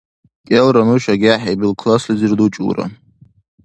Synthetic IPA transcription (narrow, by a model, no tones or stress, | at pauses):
kʲʼelɾamɨʃᶣaɡʲaħabilkʰlaslizɨrdut͡ʃʼṵra̰